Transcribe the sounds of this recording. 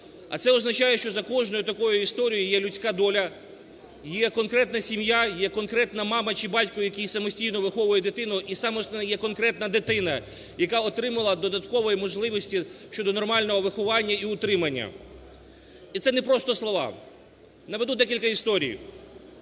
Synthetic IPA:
ɐ̰t̪sɛɔznɐt͡ʃɑjɛʃt͡ʃɔzɐkɔʒnɔjʊt̪ɐkɔjʊist̪ɔɾʲijʊjɛlʲʊt͡sʲkad̪ɔlʲɐ | jɛkɔnkɾɛt̪nɐsʲimjajɛkɔnkɾɛt̪nɐmɑmɐt͡ʃɪbɑtʲkɔjʊjɐkʲijsɐmɔsʲtʲijnɔʋɪxɔʋʊjɛd̪ɪt̪ɪnʊʔisɑmɔsnɛjɛkɔnkɾɛt̪nɐd̪ɪt̪ɪnɐ | jɐkɑɔt̪ɾɪmɐlˠɐd̪ɔd̪ɐt̪kɔʋɔjimɔʒlˠɪʋɔsʲtʲiʃt͡ʃɔd̪ɔnɔrmɑlʲnɔɦɔʋɪxʊʋɑnʲːɐiʊt̪ɾɪmɐnʲːɐ̰ | it̪sɛnɛpɾɔst̪ɔslˠɔʋɑ̰ | nɐʋed̪ud̪ɛkʲilʲkɐist̪ɔɾʲḭj

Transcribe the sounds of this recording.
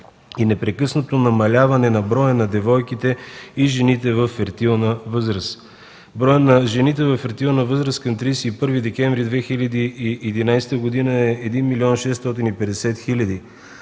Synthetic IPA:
inɛpɾɛkɤsnot̪onɐmɐlʲavɐnɛnɐbɾɔjənɐd̪ɛvɔjkit̪ɛiʒɛnit̪ɛvɐfːɛɾt̪ilˠnəvɤzɾəs | bɾɔjənɐʒɛnit̪ɛvɐfːɛɾt̪ilˠnəvɤzɾəskɐmt̪ɾijsɛipɤɾvid̪ɛkɛɱvɾid̪vɛxilʲɐd̪iiɛd̪inajst̪əɡod̪inəɛɛd̪inmiliɔnʃɛst̪ɔt̪̬inipɛd̪ɛsɛt̪xilʲɐd̪i

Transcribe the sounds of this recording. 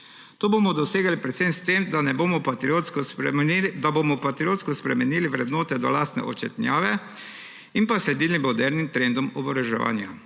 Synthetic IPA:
t̪oːbomɔd̪ɔseːɡalipɾɛt̪sɛmst̪emd̪anɛboːmɔpat̪ɾiot̪skɔsɛd̪abomɔpat̪ɾioːt̪skɔspɾɛmɛniːliʋɾɛd̪noːt̪ɛd̪ɔlaːst̪nɛ̰ʔɔ̰t͡ʃɛ̰t̪nʲjaːʋɛ | inpaslɛd̪iːlimɔd̪ɛɾnimt̪ɾɛnd̪ɔmɔbɔɾɛʒɛ̰ʋa̰ːnja̰

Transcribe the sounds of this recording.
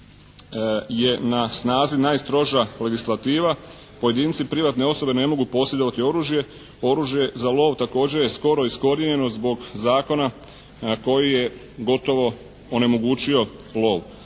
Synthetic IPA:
je̞nasnaːzinaːjst̪ɾo̞ʒale̞ɡislˠat̪iːʋa | po̞je̞d̪iːnt̪sipɾiʋat̪ne̞o̞so̞be̞ne̞mo̞ɡupo̞sjed̪o̞ʋat̪io̞ɾuːʒje̞ | o̞ɾuːʒje̞zalˠo̞ːʋt̪ako̞ːd͡ʑe̞ɾjesko̞ɾo̞isko̞ɾiɲe̞no̞zbo̞ɡzaːko̞na | ko̞jije̞ | ɡo̞t̪o̞ʋo̞ | one̞mo̞ɡuːt͡ɕio̞lo̞ːʋ

